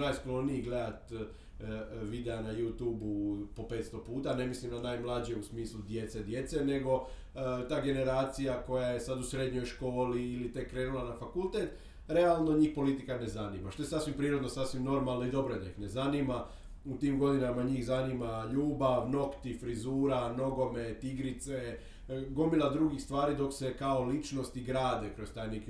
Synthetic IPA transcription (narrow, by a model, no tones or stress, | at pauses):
najsklo̞niiɡle̞d̪at̪ | ʋid̪eanajuːt̪uːbupo̞pe̞ːt̪st̪o̞puːt̪ane̞mislimnanaːjmlˠad͡ʑije̞usmiːslud̪je̞t̪sed̪je̞t̪se̞ne̞ɡo̞ | t̪aːɡe̞ne̞ɾaːt̪sijako̞jaje̞sad̪usɾe̞d̪ɲo̞jʃko̞ːliːlit̪e̞kːɾe̞ːnulˠanafakulˠt̪eːt̪ | ɾe̞alˠno̞ɲiːxpo̞lit̪ikane̞zanḭmaʃt̪o̞je̞sasʋimpɾiːɾod̪no̞sasʋimno̞ɾmalˠnoid̪o̞bɾoed̪aixne̞zanima | ut̪iːmɡo̞d̪inamaɲiːxzanimaʎuːbaʋno̞kt̪ifɾizuːɾano̞ɡo̞me̞t̪iɡɾit̪se | ɡomilad̪ɾuɡixst̪ʋaːɾid̪o̞kse̞kao̞lit͡ʃno̞st̪iɡɾaːd̪ekɾo̞st̪aːjnek